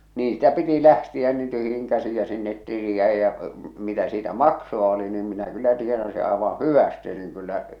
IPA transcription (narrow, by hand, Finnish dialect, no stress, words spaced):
niːn sĭtæ piti læhtiæ niːn tyhjiŋ kæsij jɑ sinːet tili jæˑij jæ mitæ siːtæ mɑksoɑ oli niːm minæ kylːæ tienɑsi ɑˑeʋɑ̃ː hyʋæste niŋ kylːæ